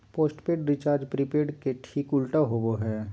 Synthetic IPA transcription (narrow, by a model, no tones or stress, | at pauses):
poːsʈpeːʈɾɪt͡ʃaːɾd͡ʒpɾipeːɖkeʈʰiːkʊlʈaɦoboɦɛː